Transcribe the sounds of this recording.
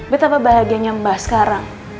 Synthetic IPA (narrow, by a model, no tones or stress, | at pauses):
bət̪apabaɦaɡiaɲambahsə̥kaɾaŋ